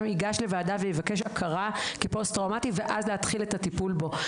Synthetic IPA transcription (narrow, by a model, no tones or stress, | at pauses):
miɡaʃle̞vaːdavejivake̞ʃakʰaʁakipost̪ʁawmativeʔazleat̪χiletatipulbo̞